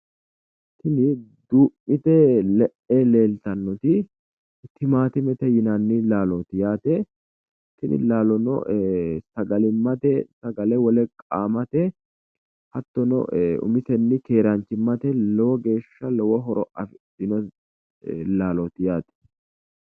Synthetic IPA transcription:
t̪ːɪnɪd̪uːmːɪt̪ɛlɛʔɛle̞ːlt̪ɐnːɔt̪ɪ | t̪ːɪmaːt̪ɪmɛt̪ɛjɪnɐnːɪlaːlɔt̪ɪjaːt̪ɛ | t̪ːɪnɪ̰laːlɔnɔ̰sɐɡɐlɪmːɐt̪ɛsɐɡɐlɛwɔlɛkʼaːmɐt̪ɛ | hɐt̪ːɔnɔ̰ʊ̰mɪt̪ɛnːɪke̞ːɾɐnt͡ʃːɪmːɐt̪ɛlɔwɔɡe̞ːʃːɐlɔwɔɦɔɾɔʔɐfɪ | ɪnɔ | laːlɔt̪ɪjaːt̪ɛ̥

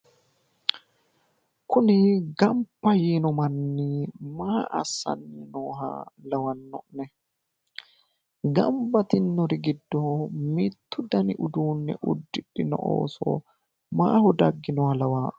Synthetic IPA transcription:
kʊnɪɡɐmpːɐjiːnɔmɐnːiːmaːʔɐ̰sːɐ̰nːinoːɦɐ̰lɐwɐnːɔʔnːɛ | ɡɐ̰mbɐt̪ɪnːɔɾɪɡɪd̪ːɔmɪt̪ːʊd̪ɐnɪʔʊd̪uːnːɛ̰ʔʊd̪ːɪɗːɪnɔ̰ʔo̰ːsɔ̰ | ma̰ːhɔd̪ɐɡːɪnɔhɐlɐwaːᶑʊ

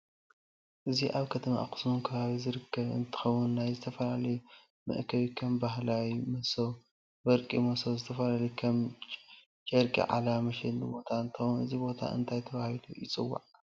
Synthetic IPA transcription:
ʔɨziʔaβkʰɐt̪ʰɐma̰ʔkʼɨ̥smunkʰɐβaβizɨɾɨkʰːɐβɨ̰nt̪ʰɨ̥xɐwːʊnːajzɨt̪ʰɐfɐlalɐj | mɨ̰ʔkʰɐβikʰɐmbaɦlawimɐsow | bɐɾkʼimɐsowzɨt̪ʰɐfɐlalɐjkʰɐm | t͡ʃʼɐɾkʼḭʕa̰lamɐʃed̪nɨbo̞t̪ʰaɨnt̪ʰɨxɐwnɨzibo̞t̪ʰa̰ʔɨ̰nt̪ʰajt̪ʰɐβahilujɪt͡sʼɨwːa̰ʕ

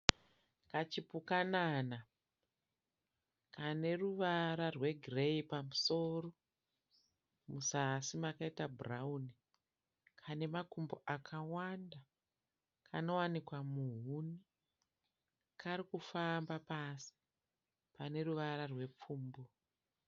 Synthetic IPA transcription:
kat͡ʃipukanaːna | kane̞ruʋaɾarwe̞ɡʱire̞ipamuso̞ːro̞ | musasimakaitaburauni | kʰane̞makumboʔakʰawanda | kʰano̞wanikwamuɦuni | kaɾikufambapasi̥ | pane̞ruʋaɾarwe̞p͡fuːmbo

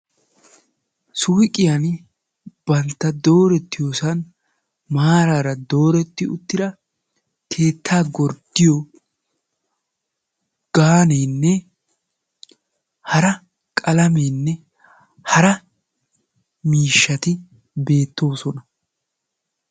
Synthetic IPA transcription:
sʊwkʼɪjan | b̥ɐnt̪ːɐd̪o̞ːɾɛt̪ːɪjoːsɐn | maːɾaːɾɐd̪o̞ːɾɛt̪ːɪʊt̪ːɪd̪ɐ | kʰe̞ːt̪ʰːaːɡɔɾd̪̥ɪjɔ | ɡ̥aːneːnːɛ | hɐɾɐ | kʼɐlɐmeːnːɛ | hɐɾɐ | miːʃːɐt̪ɪ | be̞ːt̪ːo̞ːsɔnɐ

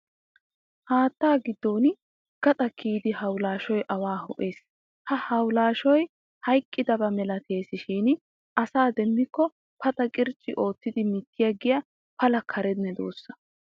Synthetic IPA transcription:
haːt̪ːaːɡɪd̪ːo̞ːn | ɡ̥ɐt̪ʼɐkiːd̪ɪɦɐwlaːʃɔjʔɐwaːhɔʔeːs | hɐhɐwlaːʃɔj | hɐjkʼːɪd̪ɐbɐmɛlɐt̪ʰe̞ːsɪʃiːn | ʔɐsaːd̪ɛmbɪkːɔ | pɐt̪ʼɐkʼɪɾt͡ʃʼːɪʔo̞ːt̪ːɪd̪ɪmɪt̪ːɪjɐɡɪjɐ | pɐlɐkʰɐɾɛd̪nɛd̪o̰ːsːɐ̥

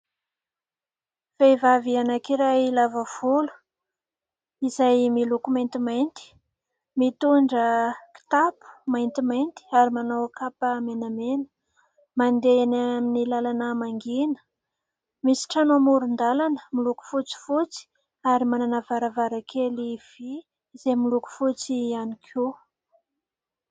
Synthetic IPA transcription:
v̥evavianakiɾajilavav̥ulu̥ | izajmilukumajnt̪imajnt̪i̥ | mit̪uɳɖ͡ʐəki̥t̪apu̥majnt̪imajnt̪i̥aɾimanowakapəmenamenə̥ | mand̪eanaminilalanəmaŋɡinə̥ | misi̥ʈ͡ʂanomuɾund̪alanə̥miluku̥fut͡si̥fut͡si̥ | aɾimananavaɾavaɾakʰeliv̥iː | zemiluku̥fut͡sianikʰu

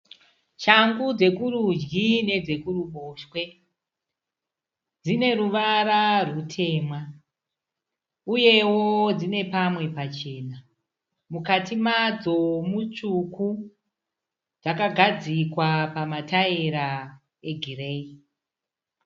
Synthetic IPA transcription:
t͡ʃaŋɡud͡ze̞kuɾud͡ʒɡine̞d͡ze̞kuruɓoʃwe̞ | d͡zine̞ruʋaɾarwutʰe̞ːmwa | uje̞wod͡zine̞pamwe̞pat͡ʃe̞ːna | mukatimad͡zo̞mut͡ʂuku | d͡zakaɡʱad͡zikwapamataiɾa | eɡʱire̞i

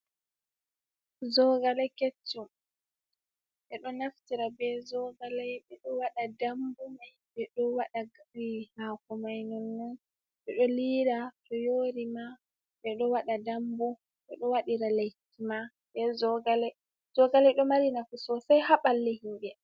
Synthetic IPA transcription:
zɔɡalɛket͡ʃːum | ɓɛɗɔnaftiɾabɛzɔɡalajɓɛɗɔwaɗadambumajbɛɗɔwaɗaɡaihakɔmajnɔnːɔn | ɓɛɗɔliɾatɔjoɾima | ɓɛɗɔwaɗadambu | ɓɛɗɔwaɗiɾalekːima | bɛzɔɡalɛ | z̥ɔɡalɛjɗɔmaɾinafisɔsajhaɓalːɛhimɓɛ

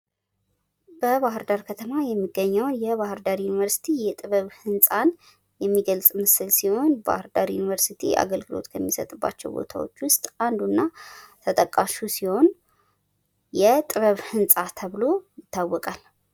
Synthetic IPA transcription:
b̥əβaɦɨɾd̪aɾkʰət̪ʰəmajɛmːiɡːəɲːɛwnjɛβahɨɾd̪aɾjunivəɾsi̥t̪ʰijɛt̪ʼɨβəβhɨnsʼan | jɛmːiɡəlsʼmɨsɨlsiho̞nba̰hɨɾd̪aɾjunivəɾsit̪ʰḭʔa̰ɡəlɡɨlo̞̰t̪kʰəmːisə̰t̪ʼɨbːa̰t͡ʃːɛ̰wbo̰t̪ʰa̰wo̰t͡ʃːwʊst̪ʼand̪unːat̪ʰət̪ʼəkʼaʃusiho̞n | jɛt̪ʼɨβəβhɨnsʼat̪ʰəβlo̞jɪt̪ʰːawːɔkʼal

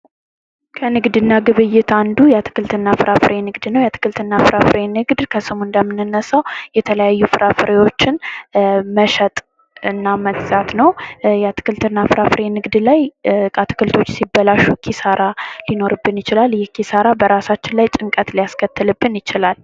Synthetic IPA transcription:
kʰənɨɡd̪ɨnːaɡɨβɨjːɪt̪and̪ujat̪ʰɨ̥kʰɨlt̪ʰɨnːafɨɾafɨɾʔenɨɡd̪nəwjat̪ʰɨ̥kɨlt̪ʰɨnːafɨɾafɨɾenɨɡd̪kʰəsɨmund̪əmːɨnɨnːəsawjɛt̪ʰələjajːufɨɾʔafɨɾewo̞t͡ʃːɪn | məʃət̪ʼ | ɨnːaməɡzat̪nəwjat̪ʰɨ̥kʰɨlt̪ʰɨnːafɨɾafɨɾenɨɡd̪lajat̪ʰɨ̥kɨlt̪ʰo̞t͡ʃːsibːəlaʃukʰisaɾʔalino̞ɾɨbːɨnjɪt͡ʃɪlaljɛkʰːisaɾabəɾasat͡ʃːɪnlajt͡ʃʼɨŋkʼət̪lijaskʰət̪ːɨlɨbːɨnjɪt͡ʃɪlal

